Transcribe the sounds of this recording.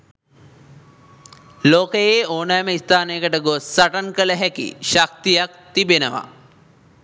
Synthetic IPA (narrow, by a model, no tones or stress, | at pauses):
loːkəjeːoːnaːməist̪aːnejəkəʈəɡosːaʈaŋkələɦɛkḭʃak̚t̪ijak̚t̪ibenəʋa̰